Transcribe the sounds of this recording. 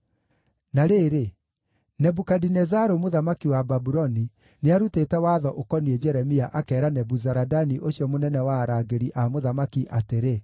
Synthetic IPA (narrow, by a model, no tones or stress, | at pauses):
naɾeːɾe | nɛbukadinɛzaɾomoðamakiwababuɾɔni | neaɾuteːtɛwaðɔʔokɔniɛd͡ʒɛɾɛmiaʔakɛːɾanɛbuzaɾadaniʔoɕjɔmonɛnɛwaːɾaɡeɾiʔamoðamakiʔateɾe